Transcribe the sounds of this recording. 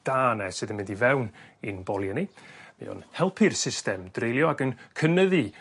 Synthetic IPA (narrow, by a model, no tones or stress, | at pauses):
d̥aːnɛsɨðənmɪndivɛwninbɔlˠjɛnimḭɔ̰nhɛlˠpʰɨrsɪstɛmd̥rejlˠjɔaɡənkʰənəðɨ